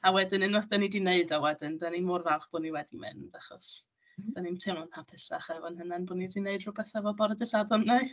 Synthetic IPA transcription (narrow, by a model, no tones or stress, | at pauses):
awɛdɨnɨnɔθd̥anidɪneɨdawɛdɨndaninmʊrvɛlˠχb̥ʊːniwɛdimɨ̰ndaχɔ̰s | d̥animtʰɪmɔnhapʰɨsa̰χɛvɔnhənɛnbʊːnidɪneɨdrʊbɛθɛvɔbɔɾədəsadɔnːa